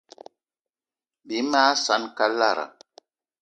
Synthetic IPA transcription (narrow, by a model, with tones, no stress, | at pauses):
bi˨˦ma˦sa˨˦nka˦la˦˨ɾa̰˨